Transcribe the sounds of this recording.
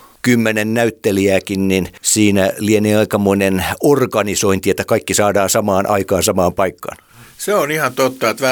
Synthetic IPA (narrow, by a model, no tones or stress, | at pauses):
kymːenennæyt̪ːeliæːkinninsiːnælieniːɑikɑmoinenorɡɑnisoint̪iet̪ːækɑikːisɑːdɑːnsɑmɑːnʔɑ̰ikɑːnsɑmɑːmpɑikːɑ̰n | seonihɑnt̪ot̪ːɑet̪ʋæ